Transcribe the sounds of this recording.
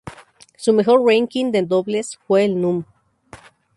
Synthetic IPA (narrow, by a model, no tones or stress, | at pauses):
sumexo̞ɾraŋkind̪ed̪oβlesfweːlnũm